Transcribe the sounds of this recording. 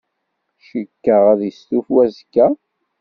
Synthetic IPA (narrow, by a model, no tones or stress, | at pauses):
ʃəkːəʁæðjəst̪ufwæzkːæ